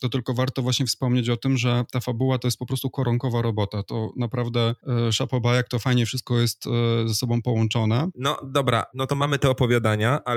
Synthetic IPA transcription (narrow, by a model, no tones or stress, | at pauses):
t̪ɔt̪ɘlkɔvaɾt̪ɔvwaɕɲɛfspɔmɲet͡ɕɔt̪ɘmʐɛt̪afabuwat̪ɔjɛst̪̚pɔpɾɔst̪ukɔɾɔŋkɔvaɾɔbɔt̪at̪ɔnapɾavd̪ɛʂapɔbajak̚t̪ɔfajɲɛfʂɘst̪̚kɔjɛstt̪zasɔbɔ̃w̃pɔwɔnt͡ʂɔnɛnɔ̰d̪ɔbɾa̰nɔt̪ɔmamɘt̪ɛɔpɔvʲjad̪aɲaʔa